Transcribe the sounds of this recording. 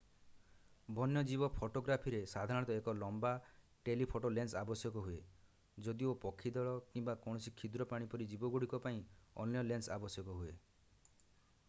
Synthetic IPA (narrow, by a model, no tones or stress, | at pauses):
bʱɔnjɔd͡ʒibɔpʰoʈoɡɾapʰiɾesad̪ʱaɾɔ̃ɽ̃t̪ɔekɔlɔmba | ʈelipʰoʈolensabɔsjɔkɔɦue | d͡ʒɔd̪iopɔkʰːid̪ɔɭɔkimbakɔ̃ɔsikʰid̪ɾɔpaɽ̃ipɔɾid͡ʒibɔɡuɽ̤ikɔpaĩɔ̰njɔlensabɔsjɔkɔɦue